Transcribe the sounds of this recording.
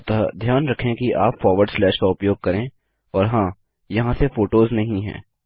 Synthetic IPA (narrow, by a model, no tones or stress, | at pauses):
t̪ad̪ʱjaːnɾɐkʰẽkiʔaːpfɔːɾʋəɾɖslɛːʃkaʊpjoːɡ̚kɐɾẽː | ɔːɾɦãː | jɐɦãsefoːʈoːznɐɦĩɦɛ̰̃ː